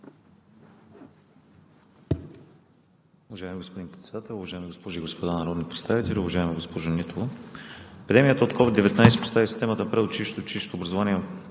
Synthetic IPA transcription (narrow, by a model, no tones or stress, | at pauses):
ʊvɐʒaɛmiɡospod̪inpɾɛt̪sɛ̥d̪at̪ɛlˠʊvɐʒaɛmiɡospɔʒʊiɡospod̪anɐɾɔd̪nipɾɛt̪st̪avit̪ɛlʲʊvɐʒaɛmiɡospɔʒʊnit̪olˠo | ɛpid̪ɛmijət̪əot̪kʰɔvid̪ɛvɛt̪najsɛ̥po̥st̪avisi̥st̪ɛmət̪əpɾɛot͡ʃiʃt̪ot͡ʃiʃt̪oːbɾɐzovaniɛ